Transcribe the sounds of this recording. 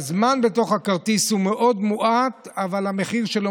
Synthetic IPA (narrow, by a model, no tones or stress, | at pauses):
zmanbe̞to̞χhakaʁt̪ishume̞ʔo̞d̪muʔat̪avalame̞χiʁʃe̞lo